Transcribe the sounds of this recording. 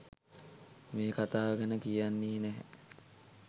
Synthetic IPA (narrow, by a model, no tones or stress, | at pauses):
meːkat̪aːʋəɡənəkijanːiːnɛɦɛ̰